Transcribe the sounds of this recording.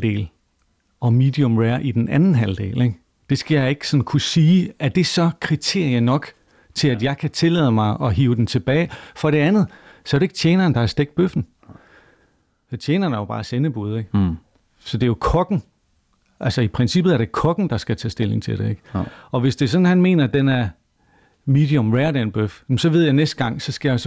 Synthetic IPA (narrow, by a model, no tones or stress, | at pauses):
d̥e̝̰ːl | ɒ̽mid̥iɔ̽mʁeɐʔid̥enænn̩ɦæld̥e̝̰ːleɡ̥ | d̥e̝sɡ̥æjɑ̈ɪe̝ɡ̥sɒ̽n̩kʰusiːæɐd̥e̝sɒ̽kʰʁit͡sʰe̝ɐ̰jɐnɒ̽ɡ̥ | t͡sʰe̝læd̥jɑ̈ɪkʰæt͡sʰe̝lɛ̰ːðˠəmɑ̈ɪʔɒ̽ɦiːʊd̥ent͡sʰe̝b̥ɛːɪfɒ̽ɾ̥e̝ænð̞̩ˠsɒ̽ɐɾeeɡ̥̚t͡sʰeːnɐːnd̥ɑ̈hɑ̈sd̥eɡ̥d̥̚b̥øfn̩ | t͡ɕʰjeːnɐːnæɐjobɑ̰̈ːsenəb̥uð̞ˠeɡ̥ | sɒ̽d̥e̝jo̝kʰɒ̽ɡ̥ŋ̩ | ʔælsəipʰʁɛnsib̥ð̞̩ˠæɐɾ̥ekʰɒ̽ɡ̥n̩d̥ɑ̈sɡ̥æt͡sʰɛ̰ːsd̥e̝le̝ŋt͡sʰe̝ld̥e̝eɡ̥ɒ̽ʋe̝sd̥e̝s̬ɒ̽n̩hænme̝̰ːnɐd̥enæɐ | miːd̥iɔmʁeɐdænb̥øfem̩sɒ̽ʋe̝ð̞̰ˠjɑ̈ɪnesd̥̚ɡ̥ɑ̈ŋ̰sɒ̽sɡ̥æjɑ̈s